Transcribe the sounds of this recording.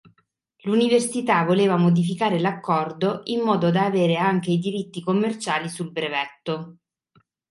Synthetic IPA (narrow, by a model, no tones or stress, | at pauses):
luniversit̪avoleːvamod̪ifikaːɾelakːɔrd̪oʔimːɔːd̪od̪aːveːɾeaŋk̟eid̪iɾit̪ːikomːert͡ʃaːlisulbɾevɛt̪ːo